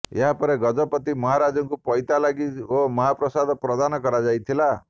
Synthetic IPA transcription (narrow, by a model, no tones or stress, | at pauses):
eɦapɔɾeɡɔd͡ʒɔpɔt̪imɔɦaɾad͡ʒɔŋkupɔjt̪alaɡiomɔɦapɾɔsad̪ɔpɾɔd̪anɔkɔɾad͡ʒajt̪ʰila